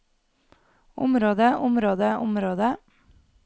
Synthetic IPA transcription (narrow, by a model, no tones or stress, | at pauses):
ʊ̰mɾoːd̪əʔʊmɾoːd̪əʔʊmɾoːd̪ə